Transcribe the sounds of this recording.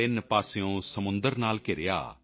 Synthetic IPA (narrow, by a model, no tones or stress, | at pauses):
ɪnpaːsejõːsəmʊnd̪əɾnaːlkɪɾja̰ː